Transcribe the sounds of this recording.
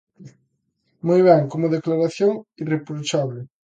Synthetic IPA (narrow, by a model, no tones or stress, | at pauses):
mojβɛŋkomʊðeklaɾaθjoŋirepɾot͡ʃaβlɪ